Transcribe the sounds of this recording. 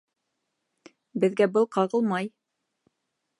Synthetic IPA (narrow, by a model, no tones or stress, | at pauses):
bɘ̆ðɡæbɤlˠqɑʁɤlˠmɑj